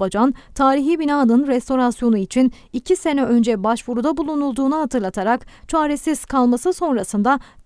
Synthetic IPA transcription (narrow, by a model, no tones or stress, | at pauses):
bad͡ʒant̪ʰaːɾiɦibinaːd̪ɯnɾɛst̪ʰo̞ɾasjo̞nuit͡ʃʰin | icʰise̞nɛø̞nd͡ʒɛbaʃvuɾud̪abulˠunulˠd̪uːnuɦat̪ʰɯɾlˠat̪ʰaɾakt͡ʃʰaːɾesiz̥kʰalˠmasɯso̞nɾasɯnd̪a